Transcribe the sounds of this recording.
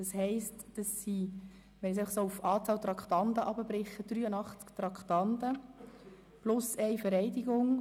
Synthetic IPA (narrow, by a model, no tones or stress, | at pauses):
d̥ɑshɛɪstd̥ɑsːi | ɛnɪtsɛɪɑχsoːufɑːt͡sɑːlt̪ɾɑkχtɑndəʔɑbəbɾɪχːəd̥ryːənɑχt͡skt̪ɾɑkχtɑndə | plʊsɛɪfəɾɛɪdiɡʊŋ